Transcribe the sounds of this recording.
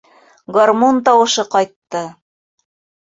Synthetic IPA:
ɡɐrmont̪ɑwɤ̆ʃɤqɑjt̪ːɤ

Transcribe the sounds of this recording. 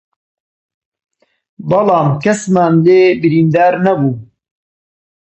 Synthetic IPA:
bɐlɑːmkɐsmaːnleːbiɾiːnd̪aːɾnɐbuː

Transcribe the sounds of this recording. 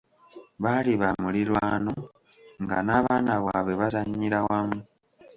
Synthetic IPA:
βaliβamulilwaːno̞ | ŋɡa̰naβaːnaβwaːβe̞βazaɲiɾawamu

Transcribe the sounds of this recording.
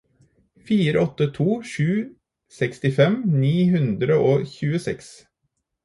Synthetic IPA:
fiːɾəɔt̪ːət̪ʰuːʃʉː | sɛkst̪ɪfɛmniːhʉnd̪ɾəʔoːçʉːəsɛks

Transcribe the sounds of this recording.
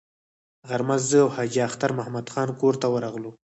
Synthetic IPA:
ɣaɾmazzəawhɑd͡ʒiaxt̪aɾmʊhmad̪xɑnkoɾt̪awəɾɑɣlu

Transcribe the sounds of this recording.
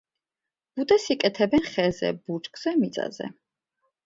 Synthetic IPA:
b̥ud̪ɛsikʼɛt̪ʰɛbɛnχɛzɛ̰but͡ʃʼkʼz̥ɛmit̪sʼa̰zɛ̰

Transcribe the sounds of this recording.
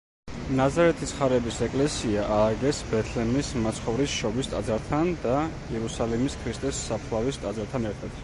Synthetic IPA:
nazaɾɛt̪ʰisχaɾɛbisɛkʼlɛsiaʔaːɡɛsbɛt̪ʰlɛmismat̪sʰχɔvɾisʃɔbist̪ʼa̰d̪zaɾt̪ʰand̪aiɛɾusalimiskʰɾist̪ʼɛsːapʰχlˠavist̪ʼad̪zaɾt̪ʰanɛɾt̪ʰad̪̥

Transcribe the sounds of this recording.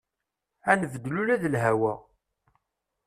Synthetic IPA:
ænəvəd̪ːlulæðəlɦæwæ

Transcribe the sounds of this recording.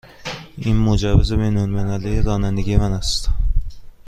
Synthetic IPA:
inmod͡ʒævezebejnolmenæliɾɒːnænd̪eɟiemænæst̪

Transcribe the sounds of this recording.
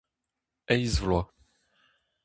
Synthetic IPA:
ɛjzvlwa

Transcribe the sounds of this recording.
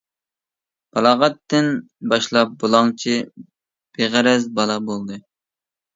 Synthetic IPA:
b̥ɑlˠɑːʁɑt̪ːɪn | bɑʃlˠɑp̚bolˠɑŋt͡ʃʰi | b̥eʁæɾɛzbɑlˠɑbolˠd̪ɨ

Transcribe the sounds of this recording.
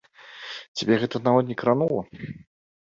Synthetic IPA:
t͡sʲabʲɛɣɛt̪ɐnavɔt̪nʲɛkɾanɔlˠɐ

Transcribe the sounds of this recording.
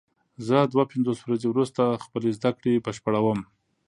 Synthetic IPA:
zəd̪wapɪnzoswɾazewɾust̪axpəlezd̪akɽebəʃpaɽawəm

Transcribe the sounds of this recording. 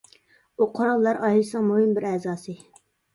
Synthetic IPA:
uqʰoɾɑlˠːɑɾʔɑːɦilɨsnɨŋmuhɪmbɪɾɛːzɑːsɨ

